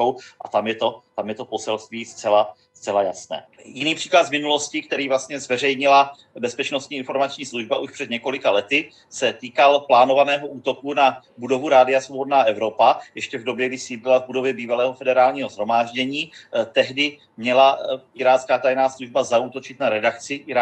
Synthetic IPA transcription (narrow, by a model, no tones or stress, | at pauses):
owʔa̰t̪amjɛt̪o̞t̪amjɛt̪o̞po̞sɛlst̪viːst͡sɛla | st͡sɛlaja̰snɛ̰ːjɪniːpr̥iːklad̪zmɪnulo̞scɪk̚t̪ɛɾiːvlast̪ɲɛzvɛrɛjɲɪla | bɛspɛt͡ʃnost̪ɲiːɪnfo̞ɾmat͡ʃɲiːsluʒbaʔuʃpr̝̥ɛd̪ɲɛko̞lɪkalɛt̪ɪ | sɛt̪iːkalplaːno̞vanɛːɦo̞ʔuːt̪o̞kuna | budo̞vuɾaːdɪasvobdnaːʔɛvɾo̞pajɛʃcɛvdo̞bjɛvɪsiːd̪lɪlavbudo̞vjɛbiːvalɛːɦo̞fɛdɛɾaːlɲiːɦozɦɾo̞maːʒɟɛɲiːt̪ɛɦdɪ | mɲɛlaʔɪɾaːt͡skaːt̪ajnaːsluʒbazaut̪o̞t͡ʃɪt̪naɾɛdakt͡sɪʔɪɾa